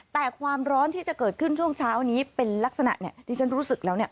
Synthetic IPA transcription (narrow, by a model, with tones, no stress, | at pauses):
t̪ɛː˨˩kʰwaː˧mɾɔː˦˥nt̪ʰiː˥˩t͡ɕa˨˩kɤː˨˩t̪̚kʰɯ˥˩nt͡ɕʰu˥˩əŋt͡ɕʰaː˦˥wniː˦˥pe˧nla˦˥k̚sa˧na̰˨˩ʔni˦˥˩ədiː˧˩t͡ɕʰa˦˥nɾuː˦˥sɯ˨˩k̚lɛː˦˥wni˥˩ɐ